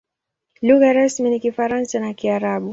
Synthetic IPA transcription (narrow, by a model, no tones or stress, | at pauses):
luɣaɾasminikifaɾansanakiaɾaɓu